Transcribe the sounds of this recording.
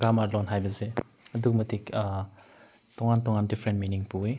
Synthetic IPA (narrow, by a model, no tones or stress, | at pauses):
ɡɾamaɾlɔnɦajbɐze | ɐdukmɐtʰik | tɔŋantɔŋandipʰɾentminiŋpue